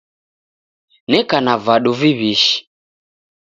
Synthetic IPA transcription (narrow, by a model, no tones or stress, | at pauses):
nɛkanavaɗuviβiʃi̥